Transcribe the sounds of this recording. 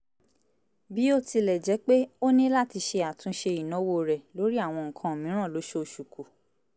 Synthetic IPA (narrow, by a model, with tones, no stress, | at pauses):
bi˨˦o˦ti˧lɛ˨d͡ʒɛ˨˦k͡pe˦o˦nĩ˦la˦˨ti˧ʃe˧a˨tũ˨˧˦ʃe˧i˨nɔ̃˨˦wo˦ɾɛ˨lo˨˦ɾi˦a˦˨w̃ɔ̃˧ŋ̩˨kʰã˧o˨mĩ˨˦ɾ̃ã˦˨lo˨˦ʃo˦o˧ʃu˨ku˨